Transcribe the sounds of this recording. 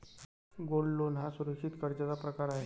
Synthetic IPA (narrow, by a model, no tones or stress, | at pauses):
ɡolːonɦasuɾəkʂit̪kəɾd͡ʑət͡sapɾəkaɾaɦe